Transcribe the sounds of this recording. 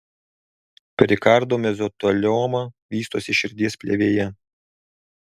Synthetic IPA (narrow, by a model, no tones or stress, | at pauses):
pʲɾʲɪkɑɾd̪oːmʲɛzɔt̪olʲɔːmɐʋʲiːst̪oːsʲɪʃʲɪɾʲd̪ʲiɛspʲlʲeʋʲeːjɛ